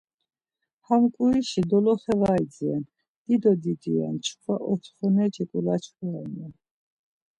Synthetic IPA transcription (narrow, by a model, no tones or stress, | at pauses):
hamkʼuiʃid̪ɔlɔχɛvaid͡zian | d̪̥id̪ɔd̪id̪ia̰nt͡ʃʰχʰwaʔɔt̪ʰχɔnɛd͡ʒɛkʼulat͡ʃʰχɔanɛn